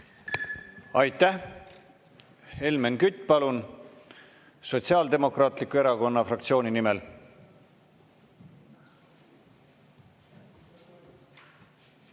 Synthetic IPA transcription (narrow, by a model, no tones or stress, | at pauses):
ɑjt̪ːæh | he̞lmenkyt̪ːˑpɑlun | so̞t̪siɑːld̪e̞mo̞krɑːt̪ˑlikːˑue̞ɾɑɡo̞nːɑfrɑkt̪sio̞ːninimel